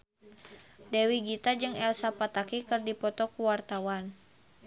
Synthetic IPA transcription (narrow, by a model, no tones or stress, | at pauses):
dɛwiɡit̪ad͡ʒɨŋɛlsapat̪akikərdipɔt̪ɔkuwart̪awan